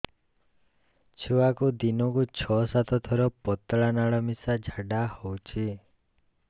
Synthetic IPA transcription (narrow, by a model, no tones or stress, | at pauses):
t͡ʃʰuwakud̪inɔkut͡ʃʰɔsat̪ʰɔt̪ʰɔɾɔpɔt̪ɭanaɭɔmisad͡ʒʱaɖahowt͡ʃʰi